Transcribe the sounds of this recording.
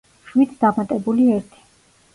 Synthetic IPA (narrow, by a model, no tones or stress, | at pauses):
ʃwit̪ʰd̪̥amat̪ʼɛbuliɛɾt̪ʰi̥